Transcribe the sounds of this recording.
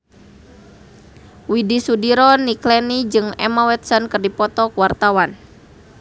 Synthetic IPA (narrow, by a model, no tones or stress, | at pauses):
widisudiɾɔniklɛnid͡ʒɨŋɛmawɛt̪sɔnkɨrdipɔt̪ɔkwart̪awan